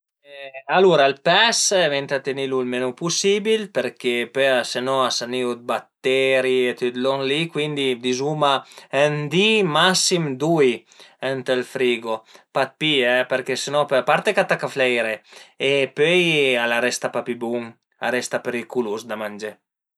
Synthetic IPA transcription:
aluɾalpɛsvent̪at̪enilulmenupusibilpeɾkepøasenɔasaniud̪̚bat̪ːɛɾiet̪yt̪lɔŋlikwind̪id̪izumaɛnd̪imasːimd̪uj | ɛnt̪elfɾiːɡopat̪̚piɛpeɾkesenɔpapaɾt̪ekat̪akaflɛjɾeepøjalaɾɛst̪apapibuŋ | a̰ɾɛst̪apeɾikulusd̪amand͡ʒe

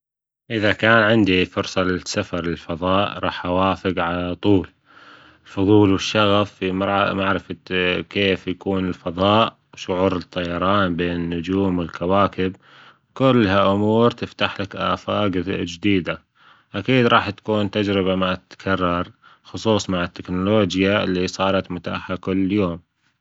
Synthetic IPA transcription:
ʔɪðakaːnʕɪnd̪ifʊɾsˤɑlɪsafɑɾˤlɪlfɑðˤɑːʔɾˤɑːħʔawaːfɪɡʕalat̪ˤuːl | ɪlfʊðˤuːlwɪʃːaɣafimɾˤmaʕɾɪfkeːfjakuːnɪlfɑðˤɑːʔ | wʃʊʕuːɾɨt̪ˤːɑjɑɾˤɑːnbeːnɪnːʊd͡ʒuːmwɪlkawaːkɪb | kʊlːhaʔʊmuːɾt̪ɪft̪aħlakʔa̰ːfaːɡd͡ʒd̪iːd̪a | ʔakiːd̪ɾˤɑːħt̪ḁkuːnt̪ad͡ʒɾɪβamat̪t̪kʰɑrˤːɑɾˤxʊsˤuːsˤmaʕɪt̪ːɪknʊloːd͡ʒjaɪlːisˤɑːɾˤɑt̪mʊt̪a̰ːħakʊlːjoːm

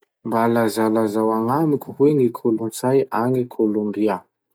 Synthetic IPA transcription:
mbalazalazawaŋamikʲu̥weŋikʰolunt͡sajaŋikʰolombia

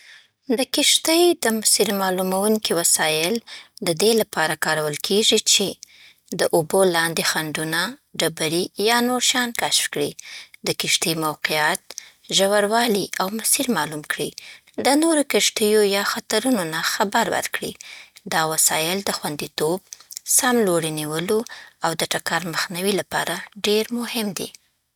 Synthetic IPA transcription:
d̪əkɪʃt̪əjd̪əmʊsiɾmɑlumawuŋkiwasɑjɪld̪əd̪elapɑɾakɑɾawəlkʰeʐit͡ʃe | d̪əʔobolɑnd̪exaɳɖunaɖabaɾijɑnoɾʃɑnkaʃfkɽḭd̪əkɪʃt̪əjmawqijat̪̚ | ʒawaɾwɑliʔawmasiɾmɑlumkɽi | d̪ənoɾokɪʃt̪əjojɑxat̪aɾunonaxabaɾwə̰ɾkɽḭd̪ɑwasɑjɪld̪əxwand̪it̪ob̚samloɽiniwəloawd̪əʈakɑɾməxnawilapɑɾaɖeɾmʊhɪmd̪ḭ

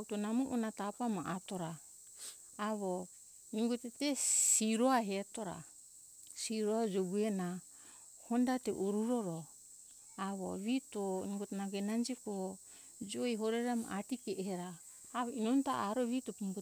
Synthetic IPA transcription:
utonamuʔonatapamaʔatoɾaː | βo | niŋɡotetesiɾoaɦetoɾa̰ | siɾoad͡ʒoɡuena | hondateʔuɾuɾoɾo | aβo̰βitoniŋɡotenaɡenand͡ʒiko | d͡ʒojɦoɾeɾama̰ʔatikeʔheɾaː | βoinontaaɾoβitopumbu

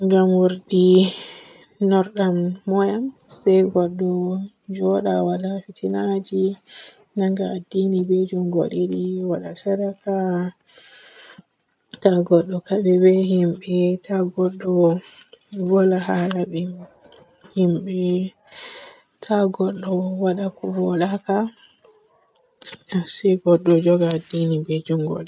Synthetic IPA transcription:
ŋɡamwuɾɗi | nɔɾɗamːɔjamsɛjɡɔɗːɔ | d͡ʒɔɗawalafitʰinad͡ʒi | naŋɡaːdːinibɛd͡ʒumɡo̰ɗiɗiwaɗasaɾaka | taɡɔɗːɔkaɓɛbɛhimɓɛtaɡɔɗːɔ | ɡɔlahalaɓɛ | himɓɛ | tʰaɡɔɗːɔwaɗakɔbɔɗaka | asɛɡɔɗːɔd͡ʒɔɡaːdːinibed͡ʒuŋɡo̰ɗɛ

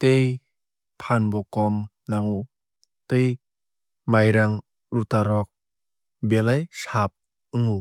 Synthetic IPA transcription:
t̪ej | pʰanbɔkɔm | naŋu | t̪ej | majɾaŋ | ɾut̪aɾɔk̚ | belajsap̚ | ɯŋu

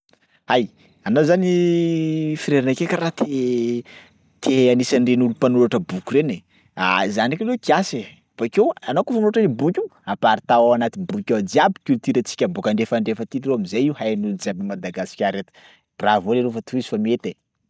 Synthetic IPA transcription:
aj | anozani | fiɾeɾanakekaɾat̪ʰe | t̪ʰeanisanɖ͡ʐenulupanuɾaʈ͡ʂəbukurene | a̰zanakʲalekiase | b̥akewanokufəmnoʈ͡ʂənibukʲuapaɾit̪aaanat̪ibukʲad͡ʒiabi̥kʲylt̪iɾət͡si̥kʲəbokaɳɖ͡ʐefaɳɖ͡ʐefət̪irewamizajiwhajanulud͡ʒabinmad̪aɡasi̥kʲaɾːet̪i̥ | b̥ravoleɾofət̪ʰuizi̥famiet̪e

